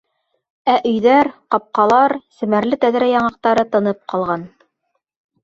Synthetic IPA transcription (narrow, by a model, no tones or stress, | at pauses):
æʔɵ̆jðæɾqɑp̚qɑlˠɑɾsɘ̆mæɾlɘt̪æðɾæjɑɴɑq̚t̪ɑɾɤt̪ɤ̆nɤp̚qɑlˠʁɑn